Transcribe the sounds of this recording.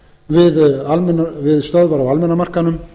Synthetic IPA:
vɪðalmɛnːavɪðst̪œðvaɾawalmɛnamar̥kanːʏm

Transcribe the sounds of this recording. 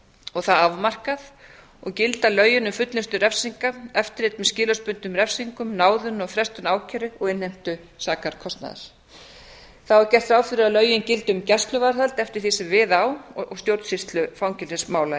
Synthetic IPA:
ɔɣθaðavmar̥kaθ | ɔɣcɪlt̪alœːɥjʏnʏmfʏt̪lɪnst̪ʏɾɛfsiŋkaɛft̪ɪɾ̥et̪̚mɛscɪːlaspʏnt̪ʏmrɛfsiŋkʏmnaːwðʏnɔɣfɾɛst̪ʏnaːwcʰɛɾʏɔɣɪnh̪ejm̥t̪ʏ | saːkaɾ̥kʰɔst̪na̰ða̰ɾ̥ | θawɛɾcɛr̥t̪ɾaːwfɪɾɪɾaðlœːɥjʏncɪlt̪ʏmcɛ̥st̪lʏvaɾθalt̪ɛft̪ɪ̥ɾ̥θisɛmvɪːðawɔ̰ɣst̪jowɾt̪sɪst̪lʏfaːwŋcɪlɪsmaːwla

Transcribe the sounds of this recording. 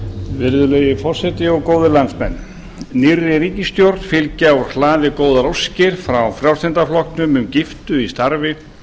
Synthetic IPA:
vɪɾðʏlejɪfɔr̥sɛt̪ɪɔɣkoːwðɪlant̪smɛ̰nː | nɪrːɪɾiːcɪst̪jowɾt̪fɪlcawɾ̥hlaːðɪkoːwðaɾowscɪɾ̥fɾawfɾjawrsɛnt̪aflɔhkt̪nʏmʏmcɪft̪ʏist̪aɾvɪ

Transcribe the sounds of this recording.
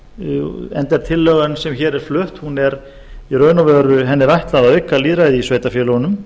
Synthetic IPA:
ɛ̰nt̪ɛɾ̥t̪ʰɪlːœːɣansɛmçɛːɾɛɾ̥flœht̪hunɛɾ | irœːɥnɔvœɾʏɦɛnːɪɾajht̪laðaʏkːaliːðɾaːjðɪisveːjt̪afjɛːlɔɣanʏm

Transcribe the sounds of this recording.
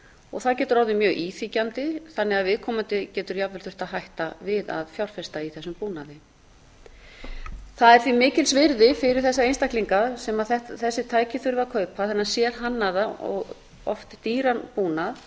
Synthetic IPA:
ɔɣθaðcɛːt̪ʏɾawðɪmjœːɣʔiːθicant̪ɪθanːɛaðvɪðkʰɔːmant̪ɪcɛːt̪ʏɾjapvɛlθʏht̪aðɦajht̪avɪða̰ðfjawɾ̥fɛst̪aiθɛsːʏmpuːnaðɪ | θaðɛɾ̥θvimɪːcɪlsvɪɾðɪfɪɾɪɾ̥θɛsːaejnst̪akliŋkasɛmaðθɛt̪θɛsːɪt̪ʰaːjcɪθʏɾʏvakʰœːɥpʰaθɛnːasjɛɾ̥ɦanːaðaɔ̰ɣ | ɔ̰ft̪ɪ̥t̪iːɾanpuːnað

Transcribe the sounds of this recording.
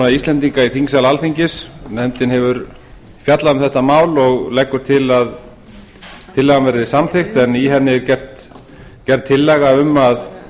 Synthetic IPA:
aðisɛnt̪iŋkaiθiŋksalalθiɲcɪsnɛmt̪ɪnɦɛvʏɾ | fjat̪laʏmθɛht̪ːamaːwlɔɣlɛkːʏɾ̥t̪ʰɪlað | t̪ʰɪlːɛɣanvɛɾðɪsamθext̪ɛniɦɛnːɪcɛr̥t̪ | cɛrt̪ʰːɪlːɛɣaʏmːað

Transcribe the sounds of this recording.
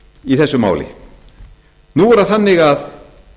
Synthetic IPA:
iθɛsːʏma̰ːwlɪ̰ | nuɛɾaθanːɪɣað

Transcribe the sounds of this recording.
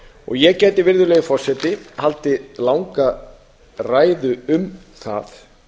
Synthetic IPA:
ɔ̰ɣjɛcɛːt̪ɪvɪɾðʏlɛːɣɪfɔr̥sɛt̪ɪhalt̪ɪlawŋka | raːjðʏʏm | θa̰θ

